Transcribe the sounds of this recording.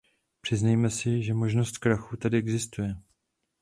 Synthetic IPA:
pr̝̥ɪznajmɛsɪʒɛmo̞ʒnost̪kɾaxut̪adɪɛɡzɪst̪ujɛ

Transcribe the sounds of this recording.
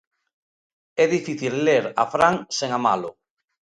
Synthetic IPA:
ɛðifiθilːeɾa̰fɾaŋseŋamalo̰

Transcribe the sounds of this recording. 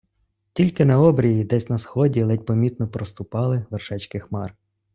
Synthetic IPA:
tʲilʲkɪnɐɔbɾʲijid̪ɛsʲnɐsxɔdʲilˠɛt̚ʲpɔmʲit̪nɔpɾɔst̪ʊpɑlˠɪʋerʃɛt͡ʃkɪxmɑr

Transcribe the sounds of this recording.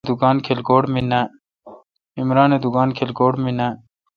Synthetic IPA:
d̪ukaːnkʰelkoːɽmina | imɾaːned̪ukaːnkʰelkoːɽminaː

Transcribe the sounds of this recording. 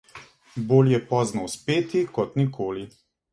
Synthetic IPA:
boːljɛpɔːznɔwspeːt̪ikɔt̪nikʰoːli

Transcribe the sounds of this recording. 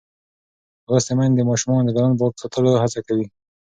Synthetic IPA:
wɾəst̪emand̪emɑʃumɑnod̪əɡ̪alanpəksɑt̪ʰəloɦat͡sakawi

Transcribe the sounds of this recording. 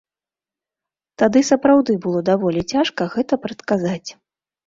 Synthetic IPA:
t̪ad̪ɨsɐpɾawd̪ɨbɨlˠɔd̪avɔlʲit͡sʲaʂkɐɣɛt̪ɐpɾɐt̪kazat͡sʲ

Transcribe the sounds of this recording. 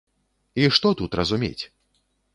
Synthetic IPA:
iʂt̪ɔt̪ut̪ɾɐzumʲḛt͡sʲ

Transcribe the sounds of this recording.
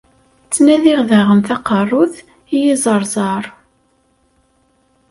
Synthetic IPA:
t͡sːnæðiʁðæʁəmθɑqɑrˤːʊθ | ijizˤəɾˤzˤɑɾˤ

